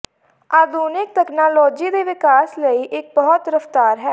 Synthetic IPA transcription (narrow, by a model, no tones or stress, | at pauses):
aːd̪uːnɪk̚t̪ɛːknaːlɔːd͡ʒiːd̪eːʋɪkaːsləiːʔɪk̚bɔːɔt̪ɾəft̪aːɾɦɛː